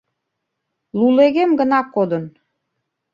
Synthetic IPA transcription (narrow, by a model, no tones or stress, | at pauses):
luleɣemɡənɑkːod̪ən